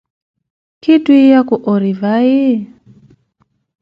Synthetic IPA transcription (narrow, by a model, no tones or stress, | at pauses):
kiduijakuʔɔɾivai